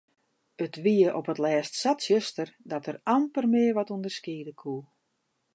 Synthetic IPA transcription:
ətʋiəʔɔpətlɛːstsatsjəstərdɔtərɑmpərmɪərʋɔtundərskiːdəkʰu

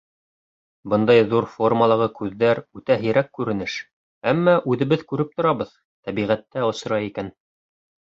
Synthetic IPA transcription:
bɤnd̪ɑjðuɾfo̞rməlˠɑʁɤkʉðːæɾʉt̪æɦɘ̆jɾækːʉɾɘ̆nɘʃ | æmːɑʔʉðɘ̆βɘðkʉɾɘp̚t̪ŏɾɑβɤð | t̪æβiʁæt̪ːæŏsɤ̆ɾɑjikæn

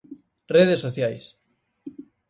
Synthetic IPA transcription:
reðesoθjajs

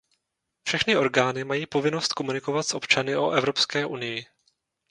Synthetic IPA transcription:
fʃɛxnɪʔo̞ɾɡaːnɪmajiːpo̞vɪno̞st̪̚ko̞munɪko̞vat̪sʔo̞pt͡ʃanɪʔo̞ʔɛvɾo̞pskɛːʔunɪjɪ

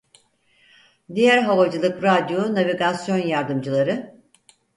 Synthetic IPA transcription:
d̪ijæɾɦavad͡ʒɯlˠɯkɾad̪jonaviɡasjo̞njaɾd̪ɯmd͡ʒɯlˠaɾɯ

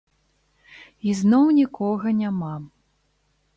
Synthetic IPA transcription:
iznɔwnʲikɔɣɐnʲama

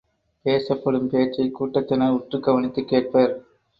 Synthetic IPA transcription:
peːsɐpːɐɽɯmpeːt͡ʃːɐɪkːuːʈːɐt̪ːɪnɐʊʈrɯɡɐʋɐnɪt̪ːɯkːeːʈ̚pɐːɾ

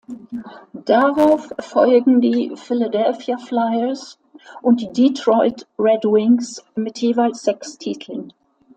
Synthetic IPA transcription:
d̥aʁaʊfɔ̰lɡŋ̩diːfɪladɛlfjaflaɪəs | ʔʊnt̚d̥iːditʁ̥ɔʏtʁɛdwɪŋsmɪtjeːvaɪlsz̥ɛkstʰiːtʰl̩n

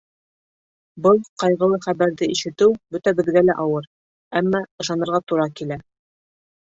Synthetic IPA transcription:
bɤlˠqɑjʁɤ̆lˠɤχæβæɾðɘiʃɘ̆t̪ɘwbɵt̪æbɘ̆ðɡælæʔɑwɤɾ | æmːɑɤ̆ʃɑnɤ̆ɾʁɑt̪uɾɑkilæ

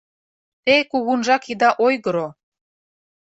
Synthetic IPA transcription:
t̪ejkuɣunʒɑkid̪ɑʔojɣə̆ɾo

